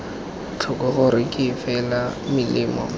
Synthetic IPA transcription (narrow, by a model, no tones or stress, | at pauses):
t͡ɬʰʊkʼɔɣʊɾɪkʼɪːfɛlamɪlɪːmɔ̰